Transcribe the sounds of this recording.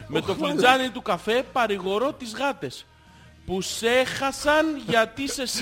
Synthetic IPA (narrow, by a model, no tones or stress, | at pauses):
me̞t̪o̞fod͡zɐnit̪ukɐfe̞pɐɾiɣo̞ɾo̞t̪izɣɐt̪e̞s | puse̞xɐsɐnʝɐt̪ise̞s